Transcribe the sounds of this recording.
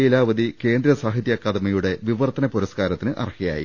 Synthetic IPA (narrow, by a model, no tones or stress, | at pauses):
jilaːʋɐd̪ike̞ːnd̪ɾɐsaːɦit̪jakːaːd̪ɐmɐjuɽe̞ʋiʋɐrt̪ɐnɐpoɾɐskaːɾɐt̪ːinɨʔɐ̰rhija̰ːjḭ